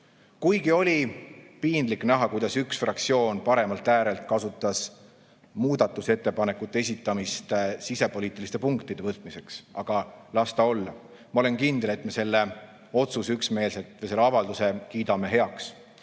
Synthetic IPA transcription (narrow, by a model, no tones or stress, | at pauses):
kujɡio̞lʲipiːnd̪liknæɦɑkujd̪̥ɑsyksfrɑkt̪sio̞ːnpɑɾe̞mɑlt̪ːˑæːɾe̞lt̪̚kɑsut̪ːˑɑs | muːd̪̥ɑt̪ːˑuse̞t̪ːe̞pɑnekːut̪ːˑe̞e̞sit̪ːˑɑmist̪esise̞po̞liːt̪ːˑilist̪e̞puŋkt̪id̪̥e̞vɤt̪ːˑmise̞ksɑɡ̥ɑlɑst̪ɑo̞lːɑ | mɑo̞lenkind̪ele̞t̪me̞se̞lːe̞ | o̞t̪susyksme̞ːlse̞t̪ːˑvese̞lːeɑvɑld̪use̞kiːd̪ɑme̞ɦe̞ɑks